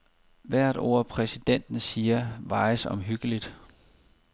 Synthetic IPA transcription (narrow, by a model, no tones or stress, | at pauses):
ʋæɐ̰d̥o̝̰ɐ̰pʰʁɛsid̥en̰d̥n̩siːɐʋɑ̈ɪsɒ̽mɦyɡ̥əlid̥